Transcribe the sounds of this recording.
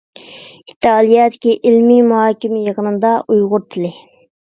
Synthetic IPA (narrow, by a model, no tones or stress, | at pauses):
i̥t̪ʰːɨɑːlˠijɛːd̪ɪ̥kʲiʔɪlmimuɦɑːkʲimɪjəqənɨnd̪ɑʔujʁʊɾt̪ʰɪlɪ